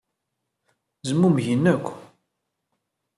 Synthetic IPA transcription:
zəmːumʝənːækʷː

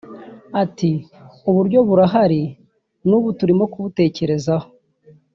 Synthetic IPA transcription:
atiuβuɾɟo̞βuɾaɦaɾi | nuːβutuɾimo̞kuβute̞ːce̞ɾe̞zaho̞̥

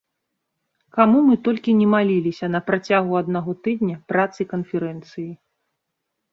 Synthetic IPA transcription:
kamumɨt̪ɔlʲkʲinʲɛmalʲilʲisʲɐnɐpɾat͡sʲaɣuɐd̪naɣɔt̪ɨd̪nʲɐpɾat̪sɨikɐnfʲɛɾɛnt̪sɨji

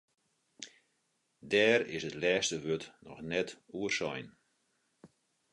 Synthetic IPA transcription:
dɛːɾɪ̰sətlɛːstəʋøtnɔ̰xnɛtuərsɔjn

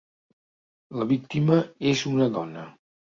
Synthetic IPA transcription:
ləβik̚t̪iməezunəðɔnə

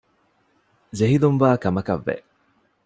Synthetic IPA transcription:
d͡ʒeɦilunʋaːkɐmɐkɐ̰ʋːḛ

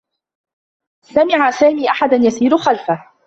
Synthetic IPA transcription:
samɪʕasaːmiːʔaħad̪anjasiːɾʊxalfah

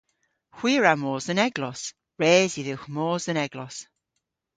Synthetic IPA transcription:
xw̥iːɹamoːzənɛɡlˠɔs | ɹeːziðɪwxmoːzənɛɡlɔs

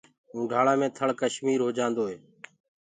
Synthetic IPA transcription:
ũːɖʱaːɽaːmẽːt̪ʰəɭkəʃmiːɾɦoːd͡ʒãːnd̪oːɦeː

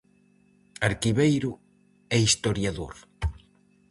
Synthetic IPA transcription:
aɾkiβejɾʊ | ɛist̪oɾjaðo̰ɾ

